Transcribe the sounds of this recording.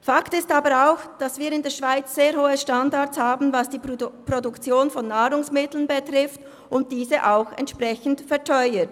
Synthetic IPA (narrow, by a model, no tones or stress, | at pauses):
faktɪstaːbəɾaʊxd̥asviːɐɾɪndeːɐʃv̥aɪt͡sːeːɐhoːəʃtandaɐtshaːbn̩vasd̥iːpʁ̥odʊkt͡sjoːnfɔnːaːʁʊŋsmɪtl̩nbetʁɪft | ʊnt̚d̥iːzəʔaʊxɛ̰ntʃpʁɛçn̩tfɛɐtʰɔʏət